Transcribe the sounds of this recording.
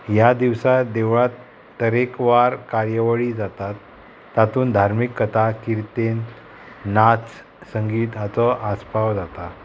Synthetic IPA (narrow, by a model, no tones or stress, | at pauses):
jad̪iʋsad̪eʋɭat̪ː | əɾekʋaɾkaɾjəʋəɭid͡zat̪at̪ː | at̪uːnd̪ʱaɾmikːət̪ʰakiɾt̪enː | at͡s | səŋɡiːt̪ɦat͡sɔʔaspaʋd͡zat̪a